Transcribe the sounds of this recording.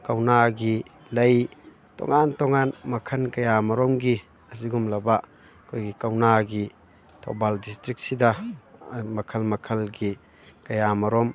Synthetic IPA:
kɐwnaɡi | lɐj | tɔ̰ŋantɔŋanmɐkʰɐnkɐjamɐɾɔmɡi | ɐsiɡumlɐba | kʰojɡikɐwnaɡi | tʰɔwbaldistɾik̚tsida | mɐkʰɐlmɐkʰɐlɡi | kɐjamɐɾɔm

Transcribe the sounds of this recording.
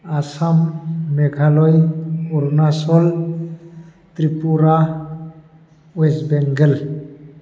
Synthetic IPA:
asamːeɡʰʱalɔjɔɾnasɔl | t̪ɾipuɾa | wesbeŋɡəl

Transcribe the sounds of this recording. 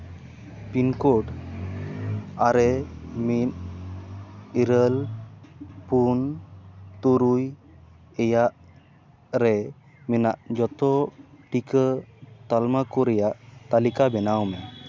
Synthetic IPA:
pinkɔɖ | aɾɛmin̚ | iɾəl | pun | t̪uɾuj | ɛjaʔ | ɾɛ | mɛnaʔd͡ʒɔt̪ɔʈikət̪almakɔɾɛjaʔt̪alikabɛnawmɛ

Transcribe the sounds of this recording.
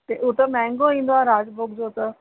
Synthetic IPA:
t̪eʔʊt̪əmɛ̃ːŋɡõĩːnd̪oaːɾaːd͡ʒbʊkd͡ʒoːt̪ə

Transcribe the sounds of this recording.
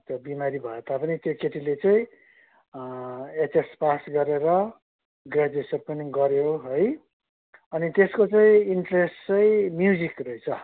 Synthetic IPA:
t̪ʌbimaɾibʱʌet̪apʌnit̪jokeʈilet͡sʌĩ | et͡sespasɡʌɾeɾʌ | ɡrad͡zesʌrpʌniɡʌɾjoɦoj | ʌnit̪eskot͡saĩiɳʈrest͡sʌĩmjud͡zikrʌit͡sʰʌ

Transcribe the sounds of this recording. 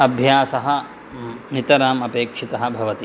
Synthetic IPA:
ɐbʱjaːsɐɦɐ̆ | nit̪ɐɾaːmɐpeːkʂit̪ɐɦɐ̆bʱɐʋɐt̪i

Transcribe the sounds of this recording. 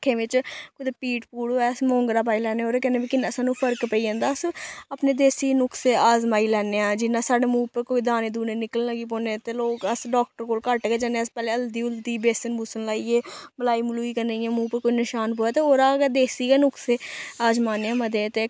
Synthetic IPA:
kʰẽːʋɪt͡ʃkʊd̪eːpiːʈpuːɽɦoːɛːsmɔ̃ːŋɡɾaːp̬aːilɛːneːoːɾeːkɛːneːbiːkɪnːsãːnũːpʰəɾkpəiːd͡ʒãːnd̪aːəsaːpneːd̪eːsiːnʊkseːaːzmaːiːlɛːneːãːd͡ʒɪnːãːsaːɖeːmuːpəɾkoːiːd̪aːneːd̪uːneːnɪkəlləɡiːp̬oːnet̪eːloːkəsɖɔːk̚ʈəɾkoːlkəʈkeːd͡ʒaːneəspɛːleːəld̪iːʊld̪iːbeːsənbʱʊsənlaːieːbəlaːiːmʊluːiːkəneːiãːmũːpəɾkoːinɪʃaːnpoːɛːt̪eːoːɾaːɡd̪eːsiːɡeːnʊkseːaːzmaːneːãːməd̪eːt̪eː

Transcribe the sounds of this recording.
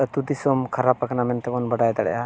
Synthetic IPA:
t̪ud̪isɔmkʰaɾapːakanamɛnt̪ɛbɔnbɐɖajd̪aɽɛ̰ja

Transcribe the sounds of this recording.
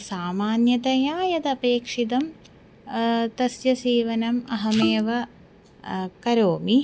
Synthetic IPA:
saːmaːnjɐt̪ɐjaːjɐt̪ɐpeːkʂid̪ɐm | t̪ɐsjɐsiːʋɐnɐmɐɦɐmeːʋɐ | kɐɾoːmi

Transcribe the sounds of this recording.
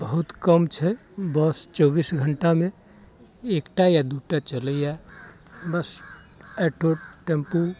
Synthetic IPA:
bəɦut̪kəmt͡ʃʰɛbɔst͡ʃɔːbisɡʱəɳʈamẽ | ekʈajad̪uʈat͡ʃələa | bəs | ɛʈoʈẽmpu

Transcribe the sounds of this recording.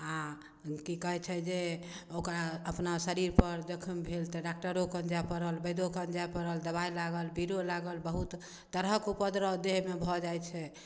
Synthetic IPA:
a | kikɔɦɛt͡ʃʰɛd͡ʒeokɾaəpnasəɾiɾpəɾd͡ʒəkʰəmbʱelt̪ɔɖakʈəɾokənd͡ʒapəɾəlbəjd̪okənd͡ʒapəɾəld̪əβajlaɡəlbiɾolaɡəlbəɦut̪ | t̪əɾɦəkupəd̪ɾəd̪eɦmebʱɔd͡ʒajt͡ʃʰɛ

